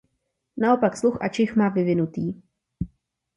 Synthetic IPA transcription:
nao̞paksluxʔa̰t͡ʃɪxmaːvɪvɪnut̪iː

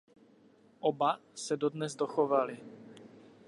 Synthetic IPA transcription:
ʔobasɛdodnɛzdoxovalɪ

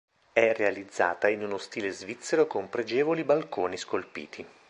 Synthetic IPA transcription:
ɛrealid̪zːa̰ːt̪ainunost̪iːlezvit̪sːeɾokompɾed͡ʒɛːvolibalkoːniskolpḭːt̪ʰi

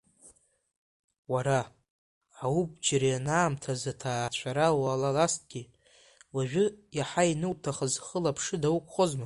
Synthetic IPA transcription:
waɾa | awub̚d͡ʒaɾajanaːmtʰazatʰaːt͡ɕʷʰaɾaalalast̚ʼɡʲi | waʒᶣʊjaħainɨwtʰaχəzχəlapʰʂɨdawukʷʼχozma

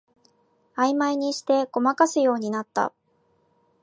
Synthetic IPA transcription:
aimaiɲ̟iɕi̥t̪e̞ɡo̞makasɨjo̞ːɲ̟inat̪ːa̰

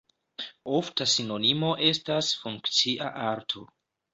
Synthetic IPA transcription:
o̞ftasino̞nimo̞ʔe̞stasfuŋkt͡siʔa̰ʔaɾtʰo̞̰

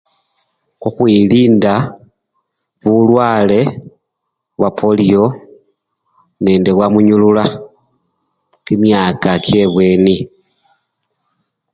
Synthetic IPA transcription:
kuxwiliːnda | βulwaːle̞ | βwapʰo̞lio̞ | ne̞ːndeβwamuɲulula | kimjaːkakje̞βweni

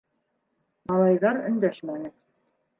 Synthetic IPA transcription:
mɑlˠɑjðɑɾɵ̆nd̪æʃmænɘ

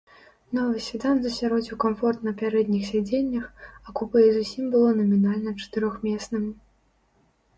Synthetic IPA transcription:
nɔvɨsʲvʲid̪anzɐsʲaɾɔd͡zʲuwkamfɔrt̪nɐpʲaɾɛd̪nʲixsʲad͡zʲenʲːɐxɐkupɨizusʲimbɨlˠɔnɐmʲinalʲnɐt͡ʂɐ̥t̪ɨɾɔxmʲɛsnɨmʲ

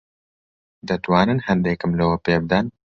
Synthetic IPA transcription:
d̪ɨt̪wɑːnɨnhɛnd̪eːkɨmlɨwɐpeːb̚d̪ɛn

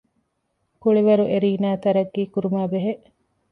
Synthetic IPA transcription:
kuɭiʋɐɾuʔeɾiːnæːt̪ɐɾɐɡːiːkuɾumæːbeɦeʔ

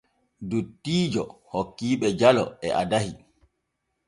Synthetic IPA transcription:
dutːiːd͡ʒɔ̰hokːiːɓɛd͡ʒalɔ̰ɛʔa̰dahi

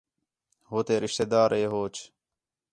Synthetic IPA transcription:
ɦoːt̪eːɾɪʃt̪ed̪aːɾeːɦoːt͡ʃʰ

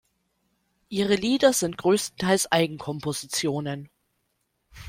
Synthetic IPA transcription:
ʔiːʁ̞əliːdɐzɪnt̚ɡ̥ʁøːstn̩tʰaɪlsʔaɪɡŋ̩kʰɔmpozit͡sjoːnən

